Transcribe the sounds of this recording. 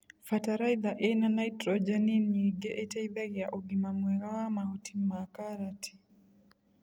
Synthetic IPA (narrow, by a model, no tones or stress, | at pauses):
fataɾajd̪aʔɛnanajtɾod͡ʒaniniɡeʔetɛjbɛɡjaʔoɡimamwɛɡawamaotimakaɾatʰi̥